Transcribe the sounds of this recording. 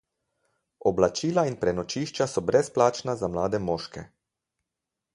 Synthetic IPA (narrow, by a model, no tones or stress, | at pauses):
ɔblat͡ʃiːlainpɾɛnɔt͡ʃiːʃt͡ʃasɔbɾɛsplaːt͡ʃnazamlaːd̪ɛmɔːʃkɛ